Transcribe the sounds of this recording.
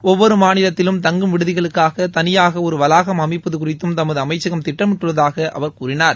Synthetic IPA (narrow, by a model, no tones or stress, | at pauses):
ɔʋːɔɾɯmaːnɪlɐt̪ːɪlɯmt̪ɐŋɡɯmʋɪɽɯðɪɣɐɭɯkːaːɣɐt̪ɐnɪjaːɣɐɔɾɯʋɐlaːɣɐmɐmɪpːɐðɯkʊrɪt̪ːɯmt̪ɐmːɐðɯɐmɐɪt͡ʃːɐɣɐmt̪ɪʈːɐmɪʈːɯʋɐðaːɣɐʔɐ̰ʋɐɾkuːrɪnaːɾ